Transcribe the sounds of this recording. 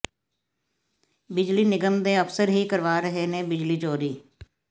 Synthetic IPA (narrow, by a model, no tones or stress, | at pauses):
bɪd͡ʒliːnɪɡəmd̪ẽːəpʰsəɾɦiːkəɾʋaːɾəɦeːnẽːbɪd͡ʒliːd͡ʒoːɾiː